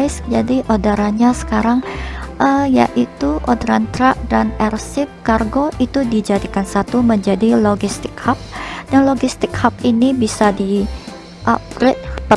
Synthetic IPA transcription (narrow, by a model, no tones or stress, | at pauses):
ɪsd͡ʒadiʔodaɾaɲasə̥kaɾaŋʔəja̰ʔit̪uʔodɾant̪ɾaʔ̚danɛrsɪp̚karɡoʔit̪udid͡ʒadikansat̪uməɲd͡ʒadiloɡist̪ɪk̚hap̚danloɡist̪ɪkhap̚inibisadi | ʔap̚ɾet̪̚pə